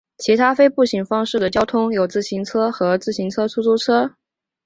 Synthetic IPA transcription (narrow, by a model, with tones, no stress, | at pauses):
t͡ɕʰi˧˥t̪ʰa˥fe˥ɪpu˥˩ɕi˨˩ŋfɑ˥ŋʂɻ̩˥˩d̪ə˩t͡ɕjɑ˥ʊt̪ʰʊ˥ŋjo˨˩ʊt͡sɹ̩˥˩ɕi˧˥ŋt͡sʰɤ˥xɤ˧˥t͡sɹ̩˥˩ɕi˧˥ŋt͡sʰɤ˥t͡sʰu˥t͡sʰu˥t͡sʰɤ˥